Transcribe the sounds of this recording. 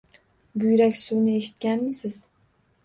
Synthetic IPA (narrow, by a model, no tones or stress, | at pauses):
bʊjɾakʲsʊwnɪeʃɪ̥t̪̚kʲanmɪsɪz̥